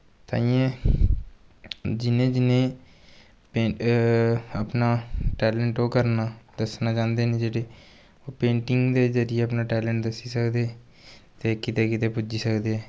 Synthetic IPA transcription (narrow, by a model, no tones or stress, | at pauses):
t̪a̰ːiẽː | d͡ʒɪnẽːd͡ʒɪnẽː | peː | əpnaːʈɛːlɛːɳʈoːkəɾnaːd̪əsnãːt͡ʃãːnd̪eːneːd͡ʒeːɽeː | oːpẽːʈɪŋɡd̪eːd͡ʒəɾɪjeːəpnaːʈɛːlɛ̃ːɳʈ̚d̪əsːiːsəkd̪eː | t̪eːkɪt̪eːkɪt̪eːpʊd͡ʒiːsəkd̪eːɛː